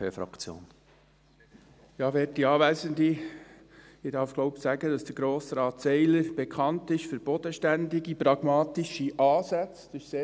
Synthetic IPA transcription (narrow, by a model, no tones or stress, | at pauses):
ø̰ːfɾɑ̰kt͡sjo̰ːn | jɑːʋɛːɾtiɑːʋæzənd̪i | ɪdɑɾfɡ̥lɔwpsæɡəd̥ɑsd̥əɾɡ̥ɾoːsɾɑːt̪sɛɪləɾb̥ekʰχɑntɪʃfəɾb̥ɔd̥̪əʃtænd̪iɡipɾɑɡ̥mɑːtiʃiʔɑːsæt͡sd̥ɑɪʃseː